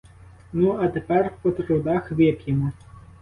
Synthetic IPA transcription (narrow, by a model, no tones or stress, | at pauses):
nuɐt̪ɛpɛrpɐt̪ɾud̪axvʲɛkʲjimu